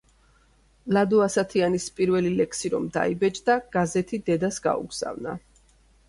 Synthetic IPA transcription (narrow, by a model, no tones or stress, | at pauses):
lad̪uasat̪ʰianispʼiɾvɛlilɛksiɾɔmd̪a̰ibɛt͡ʃʼd̪aɡ̥azɛt̪ʰid̪ɛd̪asɡa̰ṵɡz̥a̰vna̰